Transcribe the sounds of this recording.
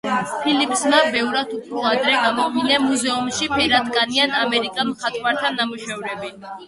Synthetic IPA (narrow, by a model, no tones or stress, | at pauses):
pʰilipʰsmabɛvɾad̪ʰupʰɾɔad̪ɾɛɡamɔvinamuzɛumʃipʰɛɾat̪ʼkʼanianamɛɾikʼamχʰat̪ʼmaɾt̪ʰanamuʃɛvɾɛbi